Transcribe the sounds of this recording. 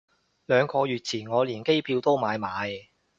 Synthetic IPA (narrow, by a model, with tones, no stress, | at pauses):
lœː˨˧ŋkʰɔː˧jyː˨˩t̚t͡sʰiː˨˩nŋɔː˨˧liː˨˩nke˥jpʰiː˧wt̪o˥wmaː˨˧jmaː˨˧j